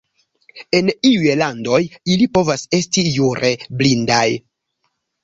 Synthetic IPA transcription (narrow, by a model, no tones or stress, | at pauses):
e̞niujlando̞jilipo̞vase̞stijuɾe̞blindaj